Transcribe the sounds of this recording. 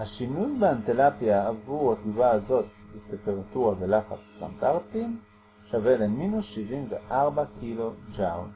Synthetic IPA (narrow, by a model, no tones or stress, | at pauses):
haʃinujbeantelapjaːvuʁhat̪uvaazo̞t̪̚bet̪empe̞ʁatuʁavelaχa̰t͡sst̪a̰ndaʁtim | ʃaveleminusʃivimveʔaʁbakʰilo̞d͡ʒawn